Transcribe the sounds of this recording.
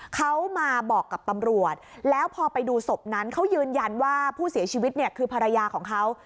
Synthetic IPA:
kʰa˦˥wmaː˧bɔː˨˩kːa˨˩p̚t̪a˧mɾu˨˩ət̪̚lɛː˦˥wpʰɔː˧pa˧jduː˧so˨˩p̚na˦˥nkʰa˦˥wjɯː˧nja˧nwaː˥˩pʰuː˥˩si˨˩˦t͡ɕʰiː˧wi˦˥t̪̚ni˥˩ɐkʰɯː˧pʰa˧ɾa˧jaː˧kʰɔː˩˦ŋkʰa˦˥w

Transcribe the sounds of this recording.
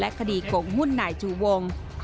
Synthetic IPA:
lɛ˦˥kʰa˧diː˨˩ko˨˩ŋhu˥˩˨nːaː˨˩˦jt͡ɕʰuː˨˩wo˧ŋ

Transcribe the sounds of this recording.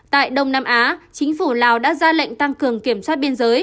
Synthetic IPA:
t̪a̰ː˧˨jɗə˧wŋ͡mnaː˧mʔaː˨˦t͡ɕï˨˦ŋ̟fu˧˩laː˨˩wɗa̰ː˧˥zaː˧la̰˧˨ŋ̟t̪a˧ŋkɨ˨˩əŋki˧˩əmswa˦˥t̚ɓi˧ənzəː˨˦j

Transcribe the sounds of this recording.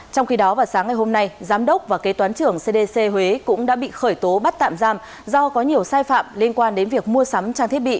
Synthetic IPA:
t͡ɕɔ˧wŋ͡mxi˧ɗɔ˨˦vaː˨˩wsaː˨˦ŋa˨˩jɦho˧mna˧jzaː˨˦mɗə˦˥wk͡p̚vaː˨˩ke˨˦t̪waː˨˦nt͡ɕɨ˧˩əŋse˧ɗe˧se˧ɦwe˨˦kʊ̰˧˥ŋ͡mɗa̰ː˧˥ɓḭ˧˨xəː˧˩jt̪o˨˦ɓa˦˥t̚t̪a̰ː˧˨mzaː˧m | zɔ˧kɔ˨˦ɲi˨˩əwsaː˧jfa̰ː˧˨mli˧ənkwaː˧nɗe˨˦nvi˨˩ək̚mu˧əsa˨˦mt͡ɕaː˧t̪ʰət̚ɓḭ˧˨

